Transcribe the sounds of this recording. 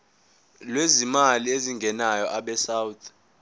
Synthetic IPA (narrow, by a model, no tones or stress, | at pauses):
lwezimalieziŋɡʱɛnajɔʔaɓɛsawt̪ʰ